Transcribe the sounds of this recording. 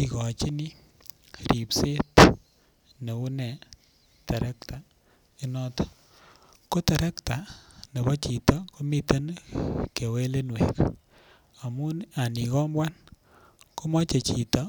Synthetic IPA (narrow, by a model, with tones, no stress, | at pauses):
i˨kɔ˨t͡ʃi˦ni˦ | ɾi˨pse˦t | ne˨u˦nɛ˨ | tɛ˨ɾɛ˦k̚ta˨ | i˦nɔ˦tɔ̥˦ | ko˦tɛ˨ɾɛ˦kta˨ne˨bɔ˦t͡ʃi˨tɔ˦ko˦mi˦te˦nke˨we˦le˦nwḛ˨k | a˨mu˦a˨ni˨kɔ˦mbwa˦n | ko˦mɔ˦t͡ʃe˨t͡ʃi˨tɔ˦